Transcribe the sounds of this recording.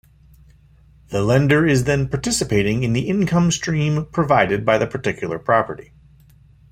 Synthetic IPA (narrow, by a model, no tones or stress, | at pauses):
ðəlɛ̃ndə˞ɪzðɨ̃npʰɑɹtʰɪsɨpʰeɪɾɪ̃ŋɨ̃nðiʔɪ̃nkʰʌ̃mstɹ̥ĩmpʰɹ̥ɨvaɪɾɨd̚baɪðɨpʰə˞tɪkʰjl̩ˠə̰˞pʰɹ̥ɑpə̰˞ɾi